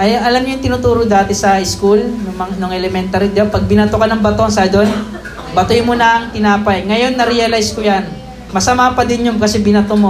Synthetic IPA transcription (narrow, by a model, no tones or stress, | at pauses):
ʔɐjɐlamɲoʊŋt̪ɪnut̪uːɾod̪aːt̪ɛsɐɪskulnʊmɐnʊŋɛlɛmɛnt̪aɾid̪ɪɐpɐɡ̚bɪnɐt̪okɐnɐŋbɐt̪o̞nsɐd̪on | bɐt̪ojmonɐŋt̪ɪnaːpɐjŋɐjo̞nːɐɾɪjɐlajskojan | mɐsɐmaːpɐd̪ɪnjʊmkɐsɛbɪnɐt̪omo